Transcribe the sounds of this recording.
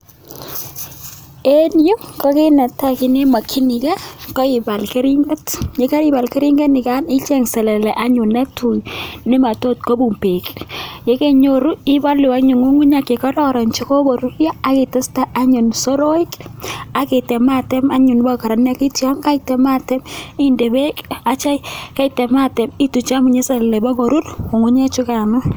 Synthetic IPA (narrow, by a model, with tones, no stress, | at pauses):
e˦nju˦kɔ˦ke˦na˨ta˦kɪ˨ne˦ma˨kʰi˦ni˨ka˦kɔ˦ɪ˨ba˨lke˦ɾi˦ŋɡɛ˦tje˨˦ka˦ɾɪ˦ba˨lke˦ɾi˦ŋɡɛ˦nɪ˨ka˦nɪ˦t͡ʃɛ˦˨ŋsɛ˨lɛ˨lɛ˨ʔa˦ɲʊ˨na˦tʰu˨jnɪ˦ma˨to˦t̚ko˦bu˨mpe˨kje˦ke˦˨ɲo˨ɾu˦i˦ba˦lu˨wa˦ɲu˨ŋu˦ŋu˦ɲa˨ke˨kɔ˦ɾɔ˦ɾɔ˨nt͡ʃi˦ko˦bo˨ɾu˦ɾjaː˦ki˨te˦sta˦a˦ɲʊ˨nso˦ɾo˦i˦ka˦ke˨tɛ˨ma˦˨tɛ˦ma˦ɲʊ˨nba˦ka˨ɾa˨n˦a˦ki˦tjɔ˦ŋka˦itɛ˨ma˦tɛ˦mi˦nde˨be˦ka˦t͡ʃa˦ɪ˦ka˦i˨tɛ˨ma˦tɛ˨mi˦tu˨t͡ʃa˦mu˨ɲe˦sɛ˨lɛ˨lɛ˨bɔ˦ko˨ɾu˦ru˨ŋu˦ɲe˦t͡ʃu˦ka˨nʊ˦